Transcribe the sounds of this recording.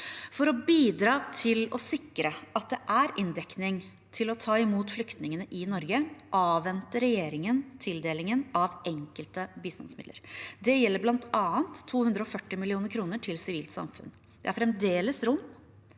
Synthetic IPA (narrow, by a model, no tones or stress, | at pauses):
fɔɾɔbiːd̪ɾɑːt̪ʰɪlɔsɪkːɾəʔɑt̪̚d̪ɛʔæɾʔɪnd̪ɛknɪŋ | t̪ʰɪlɔt̪ʰɑːɪmuːt̪flʏkt̪nɪŋənəʔɪnɔɾɡəʔɑːʋɛnt̪əɾɛjeːɾɪŋənt̪ʰɪld̪eːlɪŋənɑʋʔɛŋkəlt̪əbiːst̪ɑ̰nsmɪd̪lə̰ɾd̪ɛjɛlːəɾblɑnt̪ɑːənt̪ʰːuːhʉnd̪ɾəɔfœʈːɪmɪlɪuːnəɾkʰɾuːnəʈʰɪlsɪʋiːlt̪sɑ̰mfʉ̰n | d̪̥ɛæɾfɾɛmd̪eːləsɾʊm